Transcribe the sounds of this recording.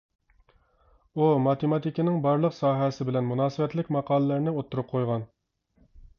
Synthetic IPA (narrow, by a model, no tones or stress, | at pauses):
umɑt̪emɑt̪ikʲnɪŋbɑɾlˠəqsɑːɦɛsɪbɪlɛnmunɑːsɨbɛt̪lɪkʲmɑqʰɑːlˠəlæɾnɪot̪ʰːuɾʊp̚qʰojʁɑn